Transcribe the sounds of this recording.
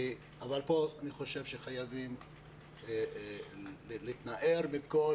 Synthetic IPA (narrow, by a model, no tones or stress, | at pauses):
avalpo̞aniχo̞ʃe̞vʃeχajavim | lit̪naʔeʁmiko